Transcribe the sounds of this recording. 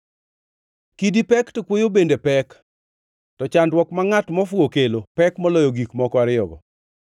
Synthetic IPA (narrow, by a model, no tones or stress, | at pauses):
kidipɛktɔkwojobendepɛk | tɔt͡ʃandwɔkmaŋatmɔfwokelopɛkmɔlɔjɔɡikmɔkɔaɾɪɔ̰ɡɔ̰